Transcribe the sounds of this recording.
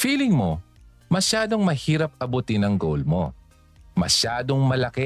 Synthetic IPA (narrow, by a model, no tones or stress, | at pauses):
fiːlɪŋmo̞ | mɐʃaːd̪o̞ŋmɐhiːɾɐp̚ɐbʊt̪ɪnɐŋɡowlmo̞̰ | mɐ̰ʃaːd̪o̞ŋmɐlɐkɛ